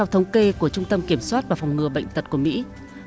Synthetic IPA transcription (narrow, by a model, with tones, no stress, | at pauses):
ɛ˧wt̪ʰə˨˦wŋ͡mke˧ku˧˩ət͡ɕʊ˧ŋ͡mt̪ə˧mki˧˩əmswaː˦˥t̚vaː˨˩fa˨˩wŋ͡mŋɨ˨˩əɓə̰˧˨jŋ̟t̪ə˨˩t̚ku˧˩əmḭ˧˥